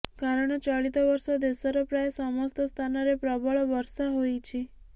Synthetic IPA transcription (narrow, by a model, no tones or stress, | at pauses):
kaɾəɽɳ̃t͡ʃɔɭit̪ɔʋɔɾsɔd̪esɔɾɔpɾaesɔmɔst̪əst̪ʰanɔɾepɾɔbɔɭɔʋɔɾsaɦoit͡ʃʰi